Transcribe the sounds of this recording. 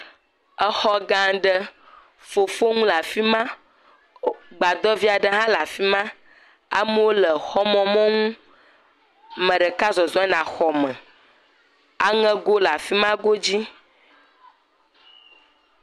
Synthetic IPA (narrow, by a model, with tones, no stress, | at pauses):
ə˦xɔ˦ɡã˦ɖə˦ | fo˨fo˦ŋũ˦la˨fi˦mã˦ | ɡ͡ba˨d̪ɔ˦vi˦a˨ɖə˦ɦã˦la˨fi˦mã˦ | a̰˦mə˦wo˦lə˨xɔ˦mɔ̃˦mɔ̃˦ŋũ˦ | mə̃˨ɖə˨ka˦zɔ˨zɔ˦ɛ˦nã˨xɔ˨mə̃˨ | a˦ŋə̃˦ɡo˦la˨fi˦mã˦ɡo˦d͡ʑi˦